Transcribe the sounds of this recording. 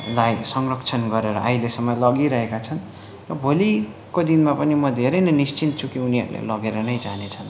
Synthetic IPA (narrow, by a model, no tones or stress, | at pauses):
lajsʌŋrʌkt͡sʰʌnɡʌɾeɾʌʔajlesʌmːʌlʌɡiɾʌɦekat͡sʰʌn | rʌbʱoli | kod̪inmapʌnimʌd̪ʱeɾʌjnʌnist͡sint̪t͡sʰukiuniɦʌ̰ɾulḛlʌɡeɾʌnʌjd͡zanet͡sʰʌn